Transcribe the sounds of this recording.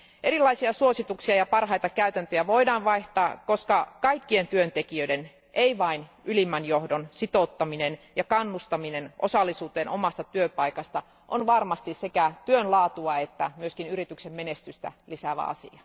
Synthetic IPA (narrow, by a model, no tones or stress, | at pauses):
ʔeɾilːˑɑisiɑsuosit̪uksiɑjɑpɑrhɑjt̪ɑkæyt̪ænt̪øjæʋoidɑːnʋɑiht̪ɑːkoskɑkɑikːient̪yønt̪ekiøiden | ʔeiʋɑin | ylimːænjohdonsit̪ot̪ːɑminenjɑkɑnːust̪ɑminenʔo̰sɑlːisuːt̪eːnʔomɑst̪ɑt̪yøpɑikɑst̪ɑ | ʔonʋɑrmɑst̪issekæt̪yønlɑːt̪uɑet̪ːæmyøskinyɾit̪yksemmenest̪yst̪æ̰lisæʋæ̰ɑ̰sḭɑ